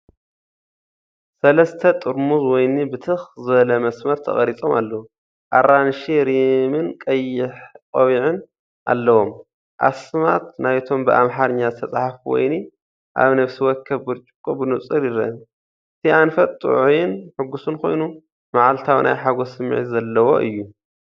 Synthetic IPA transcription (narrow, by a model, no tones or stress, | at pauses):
sɐlɐst̪ʰɐt̪ʼɨɾmuzwɔjnibɨt̪ʰɨxzɨβɐlɐmɐsmɐɾt̪ʰɐ̰χʼɐɾit͡sʼo̞̰malːɐwu | ʔa̰ɾanʃiɾimɨnkʼɐjːɪħkʼɐβiʕɨn | ʔa̰lːɐwo̞m | ʔa̰smat̪najt̪ʰo̞mbɨʔa̰mħaɾɨɲːazɨt̪ʰɐt͡sʼaħfuwɔ̰jni | ʔa̰βnɐβsiwɔkʰːɐβbɨɾt͡ʃʼukʼubɨnut͡sʼɨljɪɾɐn | ɨt̪ʰianfɐt̪̚ʼt̪ʼṵʕujɪnħɨɡːusunkʰo̞̰jnu | maʕalt̪ʰawnʔa̰jħaɡosɨmːʕḭt̪zɐlːɐwo̞̰ʔɨ̰jːu